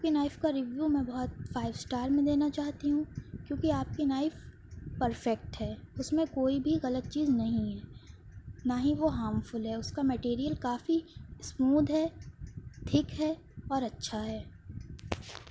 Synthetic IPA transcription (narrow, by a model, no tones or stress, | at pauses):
aːp̚kinaːɪfkaɾɪʋjuːmẽbɔɦɔt̪̚faːɪʋsʈaːɾmẽd̪eːnat͡ʃaːɦt̪iɦũkjõːkiaːp̚kinaːɪf | pɐɾfɛk̚ʈɦɛːʊsmẽkoːibʱiɣɐlət̪̚t͡ʃiːznɐɦĩɦɛː | naːɦĩʋoɦaːmfʊlɦɛːʊskamɛʈiːɾijəlkaːfismuːd̪ʱɦɛː | ʈʰɪkɦɛː | ɔːɾɐtːʃʰaɦɛː